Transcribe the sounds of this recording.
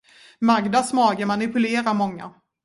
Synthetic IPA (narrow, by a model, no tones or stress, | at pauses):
maɡd̪asmɑːɡəmanɪpɵleːɾaɾmɔŋːa̰